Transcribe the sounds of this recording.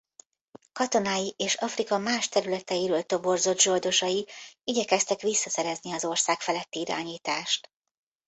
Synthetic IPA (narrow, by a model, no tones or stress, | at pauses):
kɒt̪o̞naːjiʔeːʃɒfrikɒmaːʃt̪ɛɾylɛt̪ɛjiɾøːlt̪o̞bo̞rzo̞d̪ʒo̞ld̪o̞ʃɒjiiɟɛkɛst̪ɛkʋisːɒsɛɾɛzniɒzo̞rsaːkfɛlɛt̪ːiiɾa̰ːɲiːt̪aːʃt̪